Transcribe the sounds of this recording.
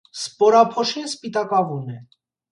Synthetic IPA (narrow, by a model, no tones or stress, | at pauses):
spɔɾɑpʰɔʃinspit̪ɑkɑvunɛ